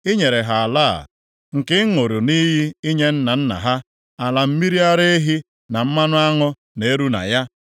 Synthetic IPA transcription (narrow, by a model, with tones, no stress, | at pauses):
i˦ɲe˨ɾe˨ɦa˨la̰˦˨ | ŋ̩˨kɪ˦ŋo˨ɾo˨ni˦ɦi˦i˦ɲe˦n̩˦na˨n̩˦na̰˨ɦa˦ | a˨la˨m̩˦mi˦ɾi˦a˦ɾe˦e˦ɦi˦ | na˨m̩˦ma˦nʊ˦a˦ŋʊ˦ | ne˨e˦ɾu˦na̰˨ja˦